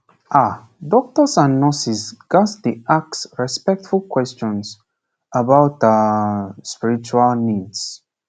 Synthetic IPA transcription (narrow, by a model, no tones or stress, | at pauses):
ʔa | dɔk̚təsãnːɔsisɡ̥asd̪iʔaksɹɛspɛk̚tfulkʰwɛst͡ʃɔ̃ns | əbaʊtaspiɹit͡ʃualnids